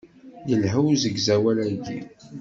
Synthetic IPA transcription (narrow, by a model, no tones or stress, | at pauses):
jəlɦəwzəɡzæwælæɡi